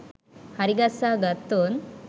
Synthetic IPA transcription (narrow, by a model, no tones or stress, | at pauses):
hɐɾiɡɐsaɡɐt̪ːon